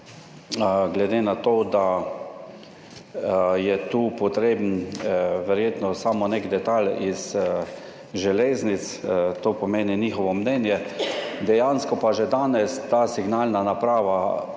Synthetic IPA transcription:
ɡlɛd̪eːnat̪oːd̪a | jɛt̪uːpɔt̪ɾeːbn̩ | ʋɛɾjeːt̪nɔsamɔnekd̪ɛt̪aliz | ʒɛleːznit̪st̪oːpɔmeːniniːxɔʋɔmnɛnjɛd̪ɛjanskɔpaʒɛd̪aːnɛst̪aːsiɡnalnanapɾaːʋa

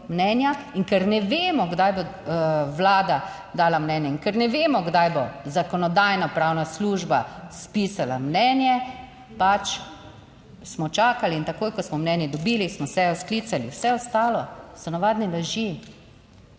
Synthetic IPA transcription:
mnɛːnjaiŋkɛɾnɛʋeːmɔɡd̪ajbo | ʋlaːd̪a | d̪aːlamnɛːnjɛiŋkɛɾnɛʋeːmɔɡd̪ajbɔzakɔnɔd̪ajnapɾaːwnasluːʒbaspiːsala̰mnɛnjɛ | pat͡ʃ | smɔt͡ʃaːkaliːnt̪akoːjkɔsmɔmnɛnjɛd̪ɔbiːlismɔsɛjɔsklit̪saliwsɛɔst̪aːlɔsɔnaʋaːd̪nilaʒi

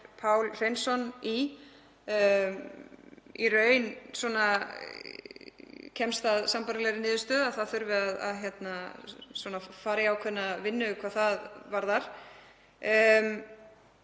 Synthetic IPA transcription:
pʰaːwlr̥ejnsɔni | irœːɥnsɔːna | cʰɛmst̪aðsampaɾlɛɾɪnɪːðʏst̪œːðaθaðθʏɾvɪaða̰ðçjɛt̪naswɔːnafaːɾjawkʰœnːavɪnːʏkʰvaːðθaðvaɾðaɾ̥

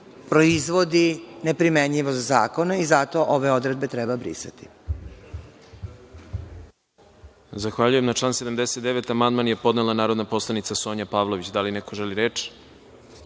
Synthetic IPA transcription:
pɾoizʋo̞d̪ine̞pɾimeɲʎiʋozazaːko̞naizat̪o̞ʔoʋe̞o̞d̪ɾe̞d̪̚be̞t̪ɾɛbabɾḭsa̰t̪i̥ | zaxʋaʎuje̞mnat͡ʃlˠaːnse̞d̪amd̪eset̪d̪eʋet̪amand̪manjepo̞d̪nelanaːɾo̞d̪napo̞slˠanit̪saso̞ːɲapaʋlˠo̞ʋit͡ɕd̪alineko̞ʒeliɾeːt͡ʃ

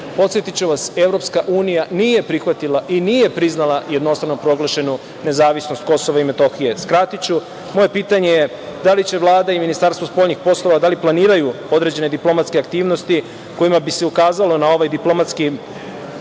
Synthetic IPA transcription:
po̞t̪sjet̪it͡ɕuʋase̞vɾopskaʔuːnijaniːje̞pɾixʋat̪ilˠaʔiniːje̞pɾiznalˠajed̪no̞st̪ɾanopɾo̞ɡlˠaʃe̞nu | ne̞zaːʋisnost̪̚ko̞so̞ʋaime̞t̪o̞xije̞skɾat̪it͡ɕu | mo̞je̞piːt̪aɲeje | d̪alit͡ɕe̞ʋlˠaːd̪aiminist̪aɾst̪ʋospo̞ːʎnixpo̞slˠo̞ʋad̪aliplaniːɾajuo̞d̪ɾe̞d͡ʑe̞ne̞d̪iplˠo̞mat̪ske̞akt̪iːʋno̞st̪i | ko̞jimabiseukaːzalˠo̞nao̞ʋajd̪iplˠo̞mat̪ski

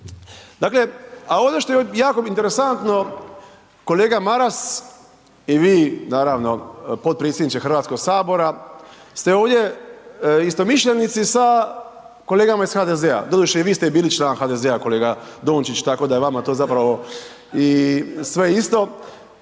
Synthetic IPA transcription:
d̪aːkle̞ao̞d̪oʃt̪o̞jejaːkoint̪eɾesant̪no̞ | ko̞le̞ːɡamaɾas | iʋiːnaːɾaʋno̞po̞t̪̚pɾet̪sʲjed̪nit͡ʃ̪exɾrʋaːt̪sko̞ɡsaːbo̞ɾast̪e̞oːʋd̪ʲje̞ | ist̪o̞miʃʎʲenit̪sisa | ko̞le̞ːɡamaisxaːd̪ezea̰d̪od̪uʃeiʋiːst̪ebiːlit͡ʃlaːnxad̪e̞zeako̞le̞ːɡad̪oːnt͡ʃit͡ʃt̪ako̞d̪ajʋamat̪ozapɾaʋo̞ | isʋe̞ist̪o̞

